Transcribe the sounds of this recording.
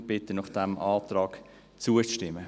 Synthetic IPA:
b̥ɪt̪ənɔχd̥ɛmʔɑːtrɑːk | t͡suət͡sʃtɪmə

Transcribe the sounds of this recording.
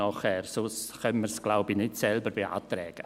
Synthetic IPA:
ɔχɛrsʊsχœmmərsɡ̥lawbinɪtsɛlˠbəɾvia̰ːtrɛːɡ̥

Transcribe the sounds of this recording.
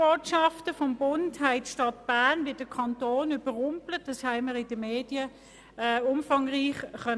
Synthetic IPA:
oːtʃɑftəfɔmbʊnthæɪtʃtɑtb̥æːnʋɪd̥əkʰɑntoːnyb̥əʁʊmplət̚dɑshæɪməʁɪd̥əmeːd̥iə | ʊmfɑŋʁiːχχœ

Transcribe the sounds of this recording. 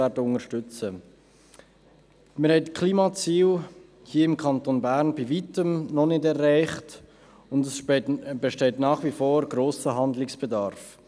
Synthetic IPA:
ɛːɾdəʊŋəʃtʏt͡sə | mɪɾhɛɪtkʰliːmɑt͡siːl | hiːəɪmkʰɑntonbæːɾnbivitəmnɔnɪdɛrːæɪχt | ʊndəsb̥ɛʃtɛɪtnɑːχʋifoːɾɡ̥ɾoːsəɦɑndlɪksb̥ɛdɑɾf

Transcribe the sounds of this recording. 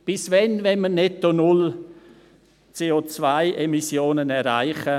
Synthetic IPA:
b̥ɪsvɛnvɛnmənɛtːonʊl | t͡seːot͡svaɪʔemisjoːnənɛɾa̰ɪχə

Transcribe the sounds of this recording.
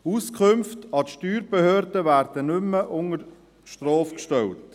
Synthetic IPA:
uskʰʊmftɑtʃtyːɾb̥ehøːɾdəvæːɾd̥ənʏmːəʔʊŋəɾ | ʃtrɔːfkʃtɛlt

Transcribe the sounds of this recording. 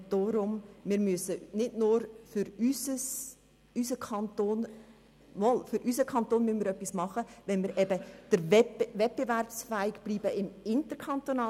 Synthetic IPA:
d̥oɾʊmːɪːɾmyəsənɪdnʊːɾfʏɾysəs | ysəkʰɑnt̪oːn | mɔlfʏɾʔysəkʰχɑnt̪oːnmynmiːɾœpːismɑχəʋɛnmiːɾʔɛbəd̥əɾvɛvɛt̚b̥evɛrpsfæɪɡb̥liːbəɪmɪntəɾkʰɑnt̪onɑː

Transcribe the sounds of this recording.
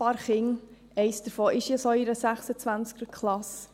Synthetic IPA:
pɑːɾχɪŋ | ɛɪsd̥əɾfoːʔɪʃjəsoiɾəsæχsət͡sʋænt͡skəɾkʰχlɑs

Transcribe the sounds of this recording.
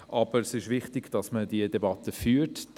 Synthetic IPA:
ʔɑb̥əɾsɪʃʋɪχtɪɡ̥d̥ɑsmədiədebɑt̪əfyːt

